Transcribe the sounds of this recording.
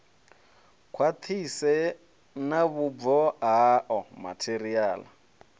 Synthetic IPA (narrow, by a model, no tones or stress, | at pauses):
kʰwat̪ʰisɛ | naβubvɔɦaʔɔma̰tʰeriaːla